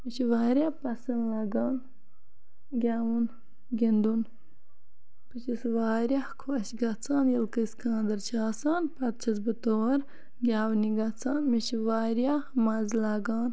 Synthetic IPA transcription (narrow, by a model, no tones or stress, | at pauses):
mit͡ʃiʋaːɾʲjapɐsɐnlɐɡaːn | ɡʲaːwun | ɡind̪un | pɨt͡ʃisʋaːɾʲakʰwɐʃɡɐt͡sʰaːnjɐlkɐskãːnd̪ɐɾt͡ʃʰaːsaːnpɐt̪̚t͡ʃʰɐzbɨt̪oːɐɾ | ɡʲaːwniɡɐt͡sʰaːnmiʃiʋaːɾjamɐzlaɡaːn